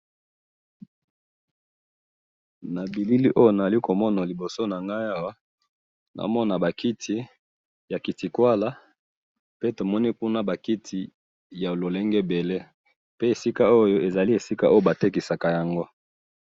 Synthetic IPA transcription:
na˨bi˨li˦li˦ʔo˦jo˦na˨a˨li˦ko˨mɔ˦na˨li˨bo˨so˦na˨ŋɡa˦ja˦wa˦ | nʔa̰˨mɔ˦na˨ba˨kʰi˦tʰi˨ | ja˨ki˨ti˨kwa˦la˦ | pe˦to˨mɔ˦ni˦ku˦na˦ba˨ki˦tʰi˨ | ja˨lo˨le˦ŋɡe˦be˨le˦ | pe˦e˨si˦ka˦o˦jo˦ʔe˨za˨li˦e˨si˦ka˦ʔo˦jo˦ba˨te˦ki˨sa˨ka˨ja˨ŋɡo˦

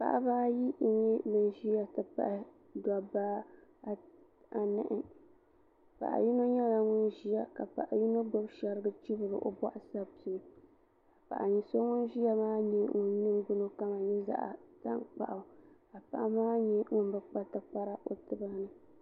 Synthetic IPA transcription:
pa̰˦˨ʔa̰˦baː˦ji˦ʔi˦ŋi˦lɨ˨nʒi˦ja˨tɨ˨pa̰˨ʔɪ˦ | da˨ba˦ | a˨nɨ˦ʔɪ˨ | pa̰˨ʔa̰˨ji˦no˦ɲɛ˦la˨ŋʊ˦nʒi˦ja˨ka˨pa̰˨ʔa̰˨ji˦no˦ɡo˦bʃa˨ɾɨ˦ɡɨ˦t͡ʃi˦bɨ˨ɾɨ̰˨ʔo˨ba̰˦ʔsa˦pi˨˦ | a˨pa̰˨ʔa˨ɲi˨so˦ŋʊ˦nʒi˦ja˦maː˦ɲi˦ŋʊ˨n˦nɨ˦mɡʊ˦no˦ka˦ma˨ɲɛ˦za̰˦ʔa̰˨ta̰˦ŋk͡pa̰˨ʔa˨ | a˨pa˦˨ʔa˦maː˦ɲi˦ŋʊ˦n˦bɨ˦k͡pa˦tɨ˨pa˦ɾa˦ʔo˨tɨ˨ba˦nɨ˨

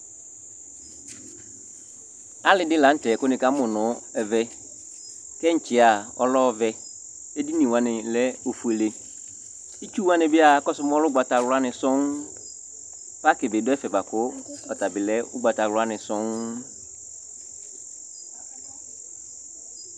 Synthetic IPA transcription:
a˦lɪ˨dɪ˦lã˨n̩˦tɛ˨ko˦nĩ˨ka˦mʊ̃˨nʊ̃˨˦ɛ˨vɛ˦ | kɛ˦ɲ̩˨t͡ʃɪ˨a˨ɔ˦lɔ˦˨vɛ˦ | e˦di˦nĩ˨wã˦nɪ̃˨lɛ˦o˨fu˨e˨le˨ | i˦t͡ʃu˦wã˦nɪ̃˨bɪ˦a˨kɔ˦sʊ˦m˦ɔ˦lʊ˦ɡ͡ba˨ta˨wlʊ˦a˦nɪ̃˨sʊ̃˦ŋ | fa˦kɪ˨bɪ˨dʊ˦ɛ˦fɛ˨ba˨kʊ˦ɔ˨ta˨bɪ˨lɛ˦ʊ˦ɡ͡ba˨ta˨wlʊ˦a˦nɪ̃˨sʊ˦ŋ

